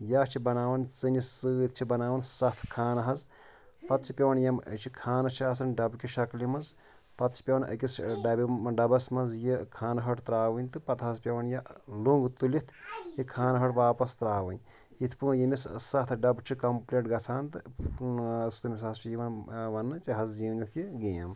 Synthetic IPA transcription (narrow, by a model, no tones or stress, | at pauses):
jaːt͡ʃʰibɐnaːʋɐnt͡sɨnisɨːit̪ʰt͡ʃʰibɐnaːʋɐnsɐht̪ʰkʰaːnɐɦɐz | pɐt̪t͡sʰipʲɐʋɐnjɐmə̰t͡ʃʰikʰaːnɐt͡ʃʰiaːs̬ɐnɖɐbkʲiʃɐklimɐz | pɐt̪si̥pʲɐʋɐnʔɐ̰kʲisɖɐbʲiɖɐbɐsmɐnzjikʰaːnɐɦɐʈt̪ɾaːʋɐnʲt̪ɨpɐt̪ʰɦɐzpʲɐʋɐnjaluŋɡt̪ulit̪ʰjikʰaːnɐɦɐʈʋaːpɐst̪ɾaːʋɨnʲ | it̪ʰpuːjimissɐt̪ʰɖɐbt͡ʃʰikɐmpleːʈ̚ɡɐt͡sʰaːnt̪ɨ | sʰt̪umisɐst͡ʃjiʋɐnʋɐnːɨt͡ʃiɦɐzziːwnit̪ʰjiɡeːm